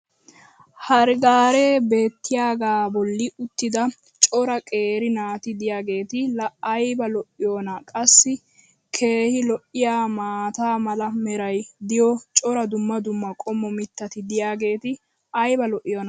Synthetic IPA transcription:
hɐɾɪɡaːɾeːbe̞ːt̪ːɪjaːɡaːbɔlːɪʊt̪ːɪd̪ɐ | t͡ʃʼɔɾɐkʼe̞ːɾɪnaːt̪ɪd̪ɪjaːɡe̞ːt̪ɪlɐɐjbɐlɔʔɪjoːnɐkʼɐsːɪ | kʰe̞ːhɪlɔʔɪjaːmaːt̪aːmɐlɐmɛɾɐjd̪ɪjɔt͡ʃʼɔɾɐd̪ʊmːɐd̪ʊmːɐkʼɔmːɔmɪt̪ːɐt̪ɪd̪ɪjaːɡe̞ːt̪ɪ | ɐjbɐlɔʔɪjoːnɐ

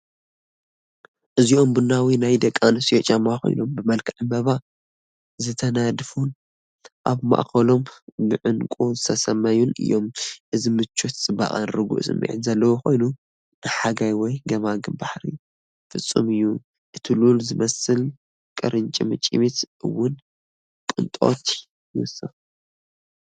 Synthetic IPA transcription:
ʔɨzio̞mbɨnawinajd̪ɐkʼːanɨsiot͡ʃʼamaxo̞̰jnombɨmɐlkʰɨʕɨmɐβa | zɨt̪ʰɐnad̪fun | ʔaβma̰ʔkɐlo̞mbɨʕɨnkʼuzɨt̪ʰɐsɐmːɐjunɨ̰jːo̞mʔɨzimɨt͡ʃʰːot̪t͡sʼɨba̰χʼanɾɨɡṵʔsɨ̰mːḭʕɨnzɐlːɐwoxo̞jnu | nɨħaɡajwɔjɡɐmaɡɨbaħɾḭ | fɨsʼːɨ̰mɨjːu | ʔɨt̪ʰilulzɨmɐsɨl | kʼɐɾʔɨnt͡ʃʼimɨt͡ʃʼḭmit̪ʔɨ̰wːʊn | kʼɨnt̪ʼo̞̰t̪ | jɨwʊsɨf

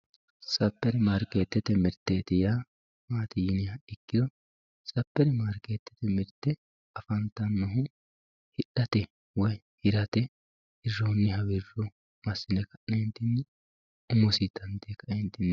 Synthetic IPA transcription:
sʼɐpːɛɾɛmɐɾkʼeːt̪ːɛt̪ːɛmɪɾt̪ːeːt̪ɪja | maːt̪ɪjɪnɪjɐɪkːɪd̪ɔ | sʼɐpːɛɾɪmaɾkeːt̪ːɛ̥t̪ɛmɪɾt̪ːɛ | ɐfɐnt̪ːɐnːɔɦʊ | hɪᶑɐt̪ɛ | wɔj | hɪɾɐt̪ɛ | ɪrːɔʊnːɪhɐwɪrɔ | mɐsɪnɛkɐʔnɛhɪnt̪ɪnː | ʊmɔsit̪ːɐnt̪ekːɐʔhɪnt̪ːɪnː

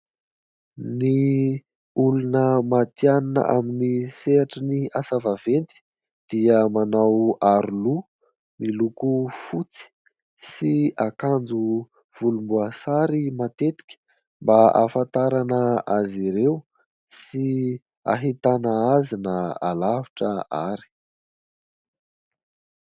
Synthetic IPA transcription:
ni | ulunəmat̪jananə̰ʔaminiseaʈ͡ʂəniasavavent̪i̥ | d̪̥iəmanawaɾulu | milukufut͡si̥ | siakand͡zu | v̥ulumbuasaɾimat̪et̪i̥kʲə̥ | mbaʔa̰fant̪aɾanəaziɾew | si | a̰ɦit̪anəazinəa̰laviʈ͡ʂəa̰ɾi̥

